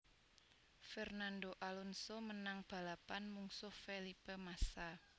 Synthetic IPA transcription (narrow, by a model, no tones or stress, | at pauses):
fɛrnandoʔalɔnsomənaŋb̥a̤lapanmuŋsʊhfelipemasa